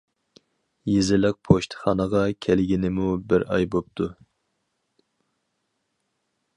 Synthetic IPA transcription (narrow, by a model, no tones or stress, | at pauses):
jezɪlɪk̚pʰoʃt̪ʰɨ̥χɑnəʁɑkʲʰɛlɡʲinɪmubɪɾɑ̰jbop̚t̪ʰu